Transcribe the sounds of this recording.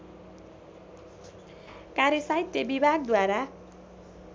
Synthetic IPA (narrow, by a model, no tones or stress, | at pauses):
kaɾjʌsajt̪ːebibʱaɡ̚d̪waɾa